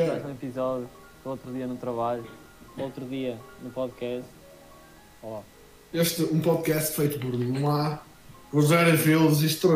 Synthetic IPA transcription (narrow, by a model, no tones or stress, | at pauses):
azũipizɔðju | ot̪ɾuðiɐnut̪ɾɐβaʎu | ot̪ɾuðiɐnupɔðkɛʃt̪ | ɔlˠa | eʃt̪ɨũpɔðkɛst̪fɐjt̪upuɾnɐ̃w̃a | puzɛɾɐvelˠzĩʃt̪ɾo